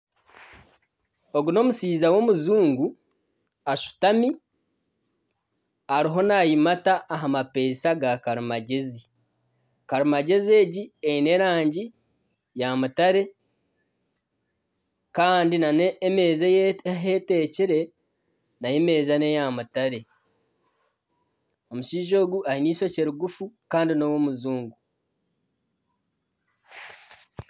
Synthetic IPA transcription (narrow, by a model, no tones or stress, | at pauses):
o̞ɡuno̞ːmusiːzawo̞muzuːŋɡu | aʃu̥tami | aɾiɦo̞najimataʔːɦamape̞ːsaɡakaɾumaɟe̞zi | kaɾumaɟe̞zie̞ːɟiejine̞ɾaːɲɟi | jamutaɾe̞ | kaːndinanemeːzeɦeteciɾe̞ | najeme̞ːzanejamutaɾe̞ | o̞muʃiːʒo̞ːɡuahiniːso̞ceɾuɡufukaːndinowomuzuːŋɡu